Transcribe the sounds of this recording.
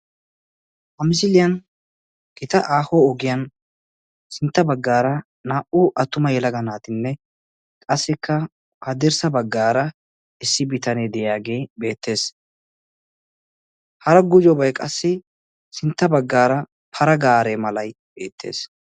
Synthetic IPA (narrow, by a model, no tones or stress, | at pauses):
hɐmɪs̬ɪlɪjɐn | ɡ̥ɪt̪ɐʔaːhoːɔɡɪjɐn | sɪnt̪ːɐbɐɡːaːɾɐ | naːʔuʔɐt̪ːʊmɐjɛlɐɡɐnaːt̪ɪnːɛ | kʼɐsːɪkʰːɐ | hɐd̪ɪɾsɐbɐɡːaːɾɐ | ɪsːɪbɪt̪ɐneːd̪ɛjaːɡe̞ːbe̞ːt̪ːe̞ːs | hɐɾɐɡʊd͡ʒɔbɐjkʼɐsːɪ | sɪnt̪ːɐbɐɡːaːɾɐ | pʰɐɾɐɡaːɾeːmɐlɐj | b̥e̞ːt̪ʰːḛːs